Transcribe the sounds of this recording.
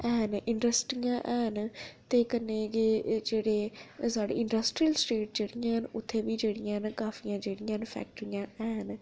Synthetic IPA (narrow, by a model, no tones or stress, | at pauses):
ɛːnɪɳɖəsʈɾijãːʔɛːnt̪eːkənːeːɡed͡ʒeːɽeːsaːɖḛːɪɳɖəsʈɾijəlsʈeːʈd͡ʒeːɽijãːɦənʊt̪ʰːeːʋiːd͡ʒeːɽɪjãːɦnkaːfʰijãːd͡ʒeːɽɪjãːnpʰɛ̰ːk̚ʈəɾijãːɛːɦn